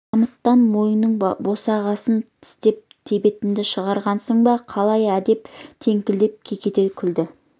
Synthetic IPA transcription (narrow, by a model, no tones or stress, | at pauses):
ɑmət̪ːɑnmo̞jənəɴbo̞sɑʁɑsənt̪ʰɪ̥st̪e̞p̚t̪ʰe̞be̞t̪ɪnd̪ɪʃəʁɑɾʁɑnsəɴbɑqʰɑlˠɑjæd̪e̞pt̪ʰe̞ŋkʲɪld̪e̞p̚kʲʰe̞kʲe̞t̪e̞kʲʰʏld̪ɪ